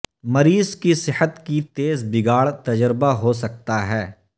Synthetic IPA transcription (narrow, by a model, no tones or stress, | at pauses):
mɐɾiːzkisɪhət̪kit̪eːzbɪɡaːɭt̪ɐd͡ʒəɾbaɦos̬ɐk̚t̪aɦɛː